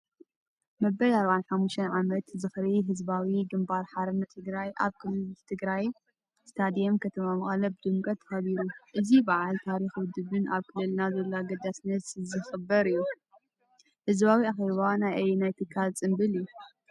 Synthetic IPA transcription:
mɐbɐlaɾβanħamːuʃt̪ʰɐnʕamɐt̪zɨxɾiɦɨzbawiɡɨmbaɾħaɾɨnːɐt̪ʰɨɡɾajʔa̰βkʰɨlɨt̪ʰɨɡɾaj | st̪ʰad̪ijemkʰɐt̪ʰɐmamɨχʼɐlɐbɨd̪ɨmkʼɐt̪ʰːxɐβiɾuʔɨzibaʕalt̪ʰaɾixwʊd̪ɨβɨnʔaβkʰɨlːɨlnazɐlːaɡɐd̪asnɐt̪zɨxɨbːɐɾɨjːu | hɨzβawiaxeβanajʔɐjenajt̪ʰɨkʰːalt͡sʼɨmbɨliju

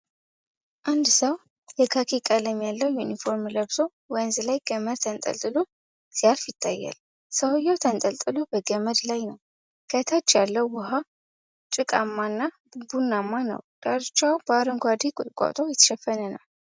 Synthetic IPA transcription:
ʔand̪səw | jɛkʰakʰikʼaləmːjalːəwjunifo̞ɾmləβso | wənzlajɡ̥əməd̪t̪ʰənt̪ʼə̰lt̪ʼɨlo | sijalfjɪt̪ʰːajːa̰l | səwjːawt̪ʰənt̪ʼəlt̪ʼɨlubəɡəməd̪lajnəw | kʰət̪ʰat͡ʃːjalːəwːʊɦa | t͡ʃʼɨkʼamːanːa | bunːamːanə̰wd̪̥ʼaɾt͡ʃːawbaɾɨŋɡʷad̪ikʼʊt̪ʼkʷʼa̰t̪ʼojɛt̪ʰːə̥ʃɛfːənənə̰w

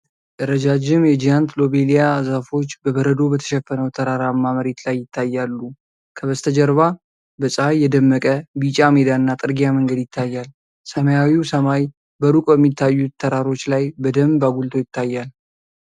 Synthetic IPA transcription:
d̪ɨɾəd͡ʒad͡ʒɪmjɛd͡ʒijant̪lo̞be̞lijazafo̞t͡ʃːbəbəɾəd̪o̞bət̪ʰə̥ʃɛfːənəwt̪ʰəɾaɾamːaməɾet̪lajːɪt̪ʰːajːalːu | kʰəβəst̪ʰəd͡ʒəɾβa | bəsʼəajːɛd̪əmːəkʼəbit͡ʃʼamed̪aɨnːat̪ʼɨɾɡijaməŋɡəd̪jɪt̪ʰːajːal | səməjawiwsəmaj | bəɾukʼbɛmːit̪ʰːajːut̪ʰːəɾaɾo̞t͡ʃːlajbəd̪əmbaɡult̪ʰo̞jɪt̪ːajːal

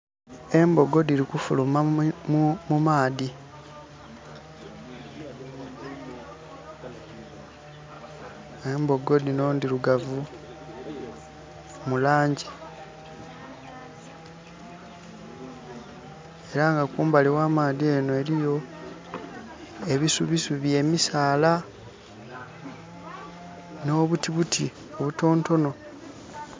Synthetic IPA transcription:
e̞mbo̞ɡo̞diɾikufuluma | mumaːði | embo̞ɡo̞d̪inoːndiɾuɡavu | mulaːɲɟi | e̞ɾaŋɡakuːmbalewaːmaːðie̞ːnoe̞ɾijo̞ | e̞βisuβisuβje̞ːmisaːla | no̞ːβutiβutʰi | o̞βuto̞ːnto̞no̞

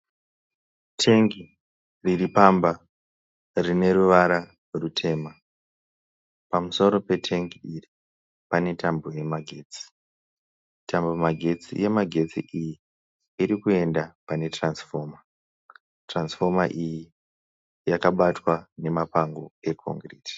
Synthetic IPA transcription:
tʰe̞ŋɡi | riripamba | rine̞ɾuʋaɾa | rutʰe̞ːma | pamuso̞ɾo̞pe̞tʰe̞ŋɡiiri | pane̞tamboje̞maɡʱe̞ːt͡si̥ | tambomaɡʱe̞t͡sḭje̞maɡʱe̞t͡sḭʔiji | iɾikue̞ndapane̞transfo̞ːma | transfo̞maʔiji | jakaɓatwane̞mapaŋɡo̞e̞kʰo̰ŋɡreːti̥

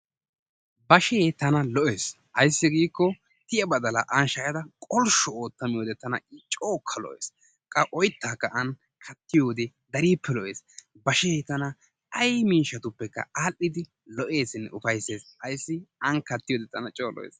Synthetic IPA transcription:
bɐʃeːt̪ɐnɐlɔʔe̞ːs | hɐjsːɪɡiːkːɔ | t̪ɪjɐbɐd̪ɐlɐ̰ʔɐnʃɐjɐd̪ɐkʼɔlʃɔoːt̪ːɐmɪjoːd̪ɛt̪ɐnɐ̰ɪt͡ʃʼoːkʰːɐlɔ̰ʔeːs | kʼɐʔɔjt̪ːaːkːɐʔɐn | kʰɐt̪ːɪjo̞ːd̪ɛ | d̪ɐɾiːpːɛlɔʔe̞ːs | bɐʃeːt̪ɐnɐ | ɐjmiːʃɐt̪ʊpːɛkːɐ̰aːlʔːɪd̪ɪ | lɔʔe̞ːsɪnːɛʊfɐjsːeːshɐjsːɪɐnkɐt̪ːɪjoːd̪ɛt̪ɐnɐt͡ʃʼoːlɔ̰ʔḛːs

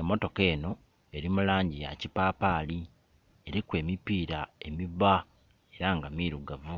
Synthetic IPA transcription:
emːo̞to̞ke̞ːno̞ | e̞ɾimulaːɲɟijacipaːpaːli | e̞ɾikwe̞ːmipiːɾae̞miβa | e̞ɾaŋɡamiːɾuɡavu

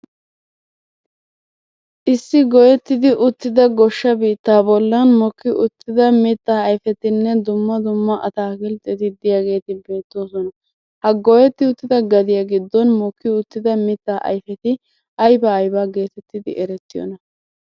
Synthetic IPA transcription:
ʔɪsːɪɡɔjɛt̪ːɪd̪ɪʔʊt̪ːɪd̪ɐɡɔʃːɐbiːt̪ːaːbɔlːɐnmɔkːɪʔʊt̪ːɪd̪ɐmɪt̪ːaːɐjfɛt̪ɪnːɛd̪ʊmːɐd̪ʊmːɐʔɐt̪aːkɪlt̪ʼːɛt̪ɪd̪ɪjaːɡe̞ːt̪ɪbe̞ːt̪ːo̞ːsɔnɐ | hɐɡɔjɛt̪ːɪʊt̪ːɪd̪ɐɡɐd̪ɪjaɡɪd̪ːɔnmɔkːɪʊt̪ːɪd̪ɐmɪt̪ːaːʔɐ̰jfɛt̪ɪ | ʔɐjbɐːjbaːɡe̞ːt̪ɛt̪ːɪd̪ɪʔɛɾɛt̪ːɪjɔ̰nɐ

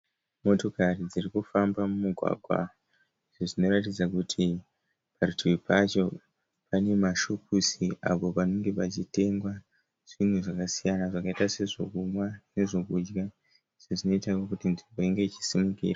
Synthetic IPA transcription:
mo̞to̞karid͡zirikufambamumuɡʱwa̰ɡʱwa̰ | iʐoʐino̞ratid͡zakutʰi | parutʰuipat͡ʃo̞ | pane̞maʃopusia̰po̞pano̞ŋɡe̞pat͡ʃite̞ŋɡwa | ʐ̥inwuʐakasijanaʐakaitase̞ʐo̞kumwane̞ʐo̞kud͡ʒɡa | iʐoʐino̞itakokutinʐimbo̞iŋɡe̞t͡ʃi̥simukḭːra

